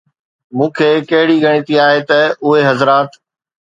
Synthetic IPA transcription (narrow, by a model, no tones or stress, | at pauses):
mũːkʰeːkɐɦɪɽiɡʱɐɽ̃it̪iaːɦet̪ɐʊɦeɦɐzɾaːt̪